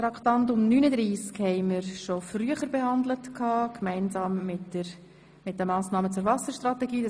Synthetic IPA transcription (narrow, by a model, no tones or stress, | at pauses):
tɾɑktɑntʊmnyːnəd̪ɾiːskhɛɪməɾʃofryəχəɾbehɑnd̪lətkʰɑːkmɛɪnzɑːmɪtə | mɪt̚d̥əmɑːsnɑːmət͡sʊɾvɑsəɾʃtɾɑtɛɡiː